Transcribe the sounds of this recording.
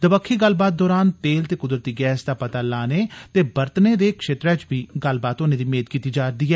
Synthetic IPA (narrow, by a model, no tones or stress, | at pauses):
d̪əbəkʰːiːɡəlbaːt̪̚d̪ɔːɾaːnt̪eːlt̪eːkʊd̪ɾət̪iːɡɛːsd̪aːpət̪aːlaːneːt̪eːbəɾt̪neːd̪eːkʃeːt̪ɾɛːt͡ʃbiːɡəlbaːt̪onẽːd̪iːmeːd̪̚kiːt̪iːd͡ʒaːɾd̪iːɦɛː